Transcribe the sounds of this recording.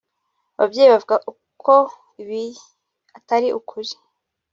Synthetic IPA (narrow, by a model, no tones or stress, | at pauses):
aβabɟeːjiβavuɡaʔu | kʰo | iβi | ataɾiʔukʰuɾi